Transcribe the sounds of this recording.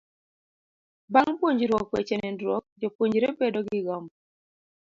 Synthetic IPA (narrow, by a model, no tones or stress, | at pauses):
baŋpwoɲd͡ʒɾwɔkwet͡ʃɛnɛndɾwɔk̚d͡ʒopwoɲd͡ʒɾebedɔɡɪɡɔm